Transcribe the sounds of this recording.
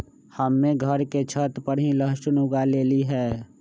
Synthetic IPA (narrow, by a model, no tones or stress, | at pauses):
həmːẽɡʱəɾket͡ʃʰət̪pəɾɦĩləɦʃnʊɡaleːliɦɛː